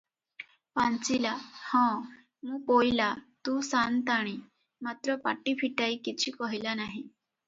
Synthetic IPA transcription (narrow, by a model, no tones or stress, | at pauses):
pãnt͡silahɔ̃ | muːpojlat̪usant̪aɽ̃i | mat̪ɾəpa̰ʈipʰiʈaikit͡ɕʰiːkɔɦjlanaɦi